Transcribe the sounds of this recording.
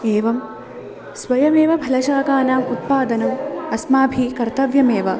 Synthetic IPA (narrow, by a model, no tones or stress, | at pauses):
eːʋɐm | sʋɐjɐmeːʋɐbʱɐlɐʃaːkaːnaːmut̪̚paːd̪ɐnɐmɐsmaːbʱikɐɾt̪ɐʋjɐmeːʋɐ